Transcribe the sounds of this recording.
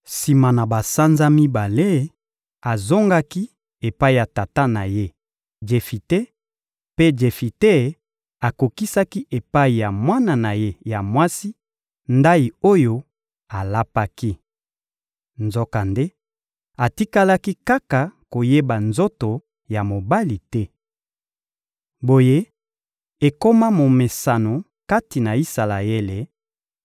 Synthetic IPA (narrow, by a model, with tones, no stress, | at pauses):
si˨ma˨na˨ba˨sa˦nza˦mi˦ba˨le˦ | a˨zo˦ŋɡa˦ki˦ | e˨pa˦i˨ja˨ta˨ta˦na˨je˦ | d͡ʒe˨fi˨te˦ | pe˦d͡ʒe˨fi˨te˦˨ | a˨ko˨ki˦sa˦ki˦ʔe˨pa˦i˨ja˨mwa˦na˨na˨je˦ja˨mwa˦si˦ | nda˦i˨o˦jo˦ | a˨la˦pa˦ki˦ | nzo˦ka˨nde˦ | a˨ti˦ka˦la˦ki˦ka˦ka˨ko˨je˦ba˨nzo˦to˨ | ja˨mo˨ba˦li˨tɛ˦ | bo˨je˦ | e˨ko˦ma˦mo˨me˨sa˨no˨ | ka˦ti˨na˨i˦sa˨la˨e˦le˨